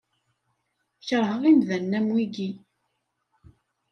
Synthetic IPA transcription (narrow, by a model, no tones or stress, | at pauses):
çɾˤɦəʁimðænːæmwiɡi